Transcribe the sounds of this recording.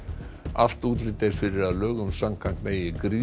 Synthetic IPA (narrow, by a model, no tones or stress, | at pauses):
aft̪uːt̪lɪt̪ejɾ̥fɪɾɪɾaðlœːɣʏmsamkʰaŋk̪meːjɪkɾiː